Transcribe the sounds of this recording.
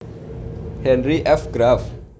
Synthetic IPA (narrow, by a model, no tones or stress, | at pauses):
hɛ̃nriʔɛfɡɾav